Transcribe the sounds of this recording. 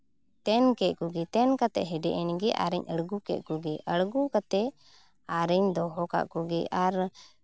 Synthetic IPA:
t̪ɛnkɛʔ̪̚kuɡɛt̪ɛnkat̪ɛʔɦɛɖɛʔɛnɡɛʔa̰ɾɛɲəɽɡukɛ̰ʔ̪̚kuɡɛʔəɽɡukat̪ɛ | aɾɛɲd̪ɔɦɔka̰ʔkuɡɛʔaɾ

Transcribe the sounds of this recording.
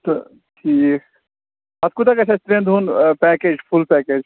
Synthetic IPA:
t̪o | ʈʰiːk | ɐt̪̚kut̪akɐt͡ʃʰɐst̪ɾẽnd̪ʱunpɛked͡ʒpʰulpɛːkeːd͡ʒ

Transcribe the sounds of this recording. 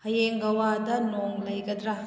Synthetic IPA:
hɐjeŋɡɐwadɐnoŋlɐjɡɐd̪ɾɐ

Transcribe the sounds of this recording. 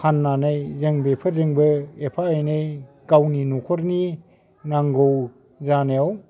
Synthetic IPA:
kʰanːanajzeŋbepʰɯɾzeŋbɯepʰaejnej | ɡ̥awninukʰɔɾni | naŋɡɔw | zaneaw

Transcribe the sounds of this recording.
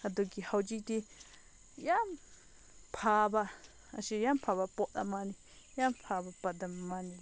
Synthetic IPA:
ad̪ukihaut͡ʃit̪i | ja | pʰaβa | a̰ʃijampʰaβapoʔt̪a̰mãnĩ | jampʰaβapad̪amãnĩ

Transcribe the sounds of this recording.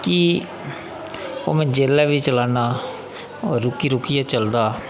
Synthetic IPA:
kiː | o̰ːmɛ̃ːd͡ʒeːlɛːʋiːt͡ʃəlaːnaː | ɾʊkiːɾʊkɪjaːt͡ʃəld̪aː

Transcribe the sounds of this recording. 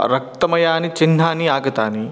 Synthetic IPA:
ɾɐk̚t̪ɐmɐjaːnit͡ʃinːaːniaːɡɐt̪aːni

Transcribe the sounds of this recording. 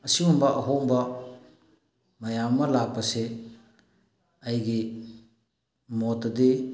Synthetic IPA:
ɐsiumbɐʔɐɦoŋbɐ | mɐjamːɐlak̚pɐse | ɐjɡi | motɐdi

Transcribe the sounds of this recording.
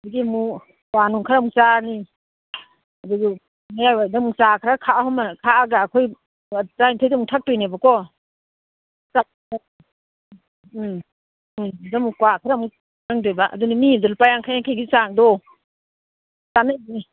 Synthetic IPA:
diɡimu | kwanɔŋkʰaɾamuŋsani | aduɡi | majadamuŋsakʰɾakʰaʔahɔmakʰaaɡaːkʰɔj | tajntʰajdamuŋtʰak̚tɔjnabakɔ | sa | a | damukwakʰaɾamu | naŋdɔjbaʔa̰dunimidɔlpajaŋkʰajaŋkʰajɡisaŋdɔ | sanajni

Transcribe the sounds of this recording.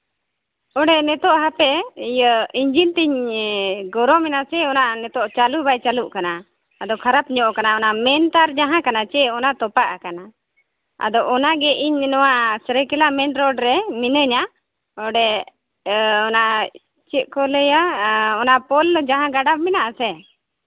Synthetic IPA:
ɔɖɛnɛt̪ɔʔɦapɛjiɲd͡ʒint̪ɛɲ | ɡɔɾɔmɛnasɛɔnaʔnɛt̪ɔʔt͡ʃalubajt͡ʃaluʔkanaː | d̪ɔkʰaɾapɲɔʔkanaɔnamɛnt̪aɾd͡ʒaɦãkanat͡ʃɛʔɔnat̪ɔpaʔakana | a̰d̪ɔʔɔnaɡɛʔiɲnɔwasɾəkɛlamɛnɾɔɖɾɛminəɲa | ɔɖɛ | ɔnaʔ | t͡ʃɛkɔləjaɔnapɔld͡ʒaɦãɡaɖabmɛnaʔasɛ

